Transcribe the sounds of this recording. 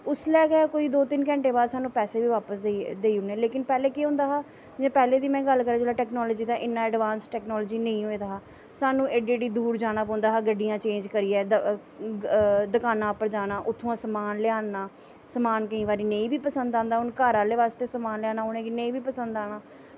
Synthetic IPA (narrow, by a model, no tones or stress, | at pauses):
ʊslɛːkɛkoːiːd̪oːt̪ɪnkɛ̃ːɳʈeːbaːd̪saːnũːpɛːseːbiːʋaːpəsd̪eiːɦʊnɛːleːkɪnpɛːleːkeːɦʊ̃ːnd̪aːɦaː | d͡ʒɛ̃ːpɛːleːd̪iːmɛ̃ːɡəlkəɾaːd͡ʒeːlaːʈɛːknɔːlɔːd͡ʒiːd̪ãːʔɪnːãːɛːɖʋaːnsʈɛːknɔːlːd͡ʒiːnə̃ĩːɦoːẽːd̪aːɦaː | saːnũːʔeːd͡ʒeːɽiːd̪uːɾd͡ʒaːɽ̃ãːpɔ̃ːnd̪aːɦaːɡəɖːijãːt͡ʃẽːɲd͡ʒkəɾiːɛːd̪ | d̪əkaːnãːpəd͡ʒaːnaːʔʊt̪ʰːõːãːsəmaːnlɪaːnːaː | səmaːnkəĩːʋaːɾiːnəĩːbʱiːpəsə̃nd̪ãːnd̪aːʊnkaːɾãːleːʋaːst̪eːsəmaːnlɪaːnaːɦonẽːkinəĩːbiːpəsə̃nd̪aːnaː